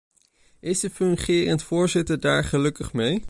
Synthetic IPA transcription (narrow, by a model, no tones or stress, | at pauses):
ʔɪsdəfɵŋχiənətfʊːɹzɪtəɹdaːɹχəlɵkəχmej